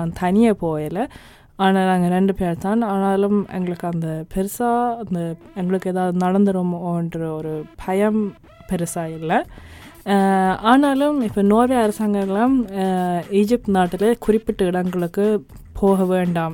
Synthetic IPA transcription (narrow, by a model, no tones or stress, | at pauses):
t̪ʰɐnijepoːjɐlɐ | aːnaːluɐŋːɐɾeɳɖɨpeːɾt̪aːɳaːnaːlumḛŋːɡɐɭɐkːɐnd̪ɨpeɾisaːɐnd̪ɨeŋɡɐɭokːeːðaːðɨnɐɽɐnd̪ɐɾumoːɳɖrɐoɾupʰɐjɐm | peɾisaːjilːɐ | aːnaːlumipːoːnoːʋɐɐɾɐsaŋɡɐɭelːaːm | iːd͡ʑip̚ʈnaːʈːilekuripːiʈːɨiɽɐŋɡɐɭokːɨ | pʰoːɣɐʋeːɳɖaːm